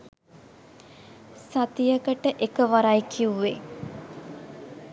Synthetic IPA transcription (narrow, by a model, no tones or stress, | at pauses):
sat̪ijəkəʈəʔekəʋaɾajkʰiuʋe